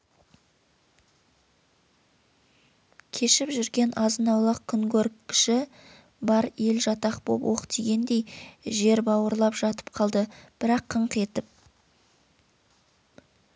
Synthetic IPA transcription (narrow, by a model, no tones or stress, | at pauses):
kʲʰe̞ʃɪpʒʏɾɡʲe̞nɑzənɑwlˠəqkʲʰʏŋkʲʰɵɾkkʲʰːɪ̥ʃɪ | bɑɾe̞lʒɑt̪ɑqbo̰pwo̞̰qt̪ʰiɡʲe̞nd̪e̞jʒe̞ɾbɑwəɾlˠɑpʒ̥ɑt̪ə̥p̚qʰɑlˠd̪əb̥ɪɾɑqʰːəɴqe̞t̪ɪp̚